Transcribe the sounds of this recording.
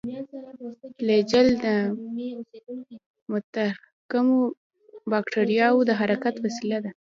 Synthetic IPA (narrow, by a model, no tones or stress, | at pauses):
led͡ʒald̪ə | mʊt̪a | kamo | bɑkʈeɾijɑwud̪əɦaɾakat̪wasilad̪a